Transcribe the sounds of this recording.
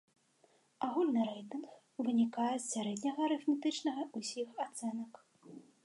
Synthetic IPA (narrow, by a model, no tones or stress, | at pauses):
aɣulʲnɨɾɛjt̪ɨnx | vɨnʲikajɛssʲaɾɛd̪ʲnʲɐɣɐɾɨfmʲit̪ɨt͡ʂnɐɣɐʔusʲixat̪sɛnɐk